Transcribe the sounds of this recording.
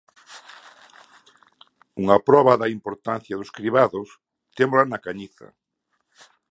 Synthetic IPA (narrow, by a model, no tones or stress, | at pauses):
uŋapɾɔβaðɐimpoɾt̪an̟θjɐðʊskɾiβaðʊs | t̪emolanakaɲiθɐ̰